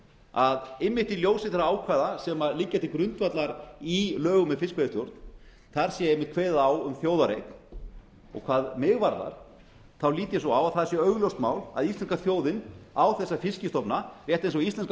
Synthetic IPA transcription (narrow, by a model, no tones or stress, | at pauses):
aðɪmːɪht̪iljoːwsɪnθɛɾaaːwkʰvaðasɛmalɪcːat̪ɪkɾʏnt̪vat̪laɾilœːɣʏmɛðfɪskvɛðɪst̪jɔɾt̪n | θaɾ̥sjɛejmɪht̪kʰveːðaːwʏmθjoːwðaɾejt̪n | ɔ̰ɣkʰvaːðmɪɣvaɾða̰ɾ̥ | θawliːt̪ɪsɔawaðθaðsjɛœɣljowst̪maːwla̰ðist̪ɛnskaθjoːwðɪnawθɛsːafɪscɪst̪ɔpnarjɛht̪ejnsɔɣist̪ɛnsk